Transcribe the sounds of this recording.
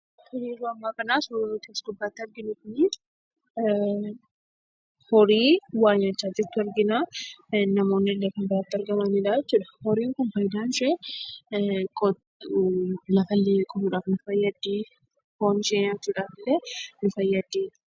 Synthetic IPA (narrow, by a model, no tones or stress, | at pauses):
t̪ʊɾiːɾuɐmːaːkɐnaːsɾunut̪eːsɡʊbːaːt̪ːɪɐɾɡɪnʊkʊni | hɔɾiːwaːjɐt͡ʃːaːd͡ʒɪt̪ːʊɐɾɡɪnaːnɐmoːnːɪɪlːɛkɐnbɪɾaːt̪ːɪɐɾɡɐmɐniᶑaːɛt͡ʃːuːᶑɐ̥hɔɾiːŋkʊnfɐjd̪aːnʃɛ | kɔ | lɐfɐlːekʼɔbuᶑaːfnʊfɐjːɐd̪iː | hoːnɪʃeːɲat͡ʃːuːᶑaːfɪlːɛnʊfɐjːɐd̪i̥ː